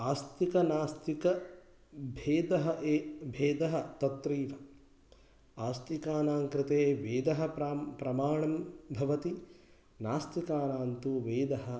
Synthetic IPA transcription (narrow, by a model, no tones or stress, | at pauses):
aːst̪ikɐnaːst̪ikɐ | bʱeːd̪ɐɦɐʔeːbʱeːd̪ɐɦɐ̆t̪ɐt̪ɾiːʋɐ | aːst̪ikaːnaːŋkɾɪt̪eːʋeːd̪ɐɦɐ̆pɾɐmaːɳɐmbʱɐʋɐt̪i | naːst̪ikaːnaːnt̪uʋeːd̪ɐɦɐ